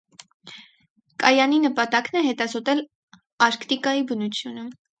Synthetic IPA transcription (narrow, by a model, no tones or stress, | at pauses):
kɑjɑninəpɑt̪ɑknɛɦɛt̪ɑzɔt̪ɛl | ɑɾkt̪ikɑjibənut͡sʰjunə